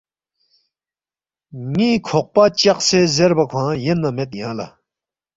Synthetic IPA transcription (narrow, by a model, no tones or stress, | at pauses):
ŋikʰoχ̚pat͡ɕaχsʰezerpakʰãjənːamet̪̚jãla̰